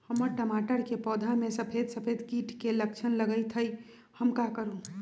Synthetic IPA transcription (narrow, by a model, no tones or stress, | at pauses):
həməɾʈəmaːʈəɾkepɔːd̪ʱamẽsəpʰeːd̪səpʰeːd̪kiːʈkeləkt͡ʃʰənləɡəit̪ʰəi | həmkakəɾũ